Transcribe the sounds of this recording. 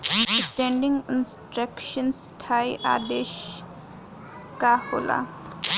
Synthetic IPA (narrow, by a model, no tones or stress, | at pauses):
sʈẽɳɖiŋɡɪnsʈɾəkʃəns | ʈʰaːjʔa̰ːd̪eʃ | kahola̰